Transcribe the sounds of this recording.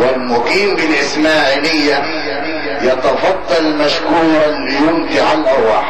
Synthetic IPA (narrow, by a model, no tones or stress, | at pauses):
walmʊqiːmbɪlʔɪsmaːʕiːlɪjːa | jɑt̪ɑfɑd̪ˤːɑlmaʃkuːɾˤɑljʊmt̪ɪʕalʔɑɾwa̰ːħ